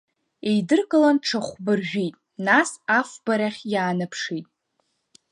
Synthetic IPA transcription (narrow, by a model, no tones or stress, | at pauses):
ejdɨrkʼɨlanʈ͡ʂʰaχʷbɨrʒᶣitʼ | nasafbaɾaχʲjaːnɨpʰʂitʼ